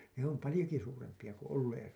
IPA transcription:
ne om pɑlĭjoki suːrempij̆ɑ ku olːeːr

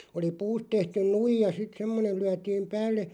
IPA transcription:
oli puːst tehtyn nuijɑ sit semːonen̞ lyætiːm pæːlːe

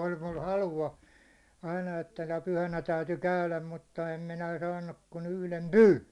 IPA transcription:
olʲ mul hɑluɑ ɑinɑ etːæ nə pyhænæ tæyty kæylæm mutːɑ em minæ sɑːnːuk kun yhlem pyːn̞

